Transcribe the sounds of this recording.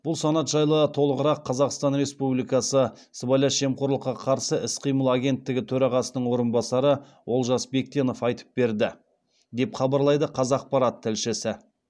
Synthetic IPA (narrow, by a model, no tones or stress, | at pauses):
b̥ʊlˠsɑnɑt̪ʒɑjlˠət̪ʰo̞lˠəʁəɾɑqʰːɑzɑqst̪ɑnɾe̞spublijkɑsə | səbɑjlɑʃe̞mqo̞ɾlˠəqːɑqʰɑɾsəʔɪsqʰijməlˠaɡʲe̞nt̪ːɪɡʲɪt̪ʰɵɾɑʁɑsənəɴwo̞ɾənbɑsɑɾə | wo̞lˠʒɑsbe̞k̚t̪ʲe̞no̞fɑjt̪ə̥p̚be̞ɾd̪ɪ | d̪e̞pχɑbɑɾlˠɑjd̪əqʰɑzɑq̚pɑɾɑt̪ʰːɪlʃɪsɪ